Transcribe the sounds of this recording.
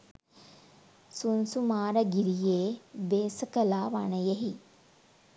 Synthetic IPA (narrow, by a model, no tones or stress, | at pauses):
sunsumaːɾɐɡiɾijeːbeːsəkəlaːʋanəjeɦi